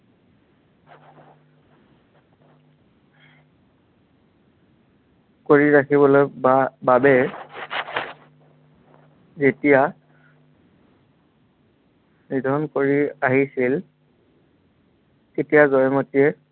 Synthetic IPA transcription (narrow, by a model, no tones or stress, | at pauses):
koɹiɹakʰibɔlojbabɛ | zetija | nidʱɔnkoɹiaɦisil | etijazɔjmotiɛ